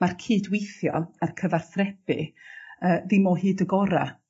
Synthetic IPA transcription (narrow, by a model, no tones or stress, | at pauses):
markʰiːdwejθjɔarkʰəvarθrɛb̥ɨ̰əːðɪmoːɦɨːdəɡɔɾa̰